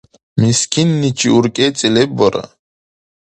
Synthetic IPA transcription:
miskʰinːit͡ʃʰiuɾkʼɛːt͡sʼilɛbɔɾa̰

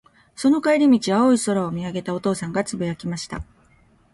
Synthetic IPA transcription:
so̞no̞kaiɾʲimʲit͡ɕiβaoiso̞ɾaomʲiaɡe̞t̪ao̞t̪o̞ːsãŋɡat͡sɨbɯ̟jakʲimaɕi̥t̪a̰

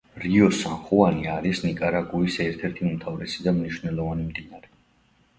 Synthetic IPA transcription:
ɾiɔsanχuaniaɾisnikʼaɾaɡuisɛɾt̪ʰɛɾt̪ʰiumt̪ʰavɾɛsid̪amniʃwnɛlˠɔvanimd̪inaɾɛ

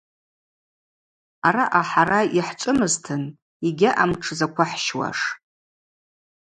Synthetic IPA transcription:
aɾaʔaħaɾajiħt͡ʃʷʼɨmɨztʰɨn | iɡʲaʔamʈ͡ʂʰɨzakʷʰaħʃwa̰ʂ

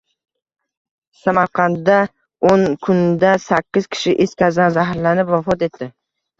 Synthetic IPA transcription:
samaɾqʰɑnd̪a | onkʰʊnd̪asakʲːɪz̥kʲʰɪ̥ʃɪʔeskʲazd̪anzaɦɾlanɪpvafɒt̪e̞t̪ʰːɪ

